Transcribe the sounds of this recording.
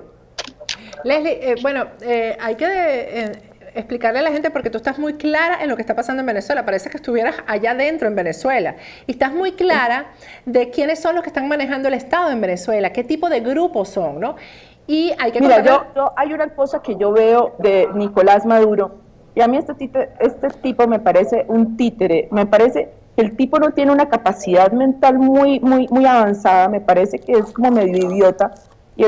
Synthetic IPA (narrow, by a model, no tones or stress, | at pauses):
lehliʔbwe̞no̞eajke̞ | esplikaɾlealaxe̞nt̪e̞poɾke̞t̪uest̪azmujklaɾaʔe̞nlo̞kest̪apasand̪oebeneswe̞lapaɾese̞kest̪uβje̞ɾasaʝaðe̞nt̪ɾo̞e̞mbe̞ne̞swe̞la̰ | iest̪azmujklaɾa | ðe̞kje̞ne̞sːo̞nloskest̪aŋmane̞xand̪oe̞lest̪aðo̞e̞mbe̞ne̞swe̞lake̞t̪ipo̞ðe̞ɣɾupo̞sːo̞ŋno̞ | iajkemiɾad͡ʒod͡ʒo̞ʔajunako̞sake̞ʝo̞βe̞oðe̞niko̞lazmaðuɾo̞ | iamiest̪et̪it̪eest̪e̞t̪ipo̞me̞paɾe̞se̞ʔunt̪it̪e̞ɾeme̞paɾe̞se̞ | kelt̪ipo̞no̞t̪je̞neunakapasiðaðmẽ̞nt̪almujmujmujaβansaðame̞paɾe̞se̞keesko̞mo̞me̞ðjo̞iβjo̞t̪a | ie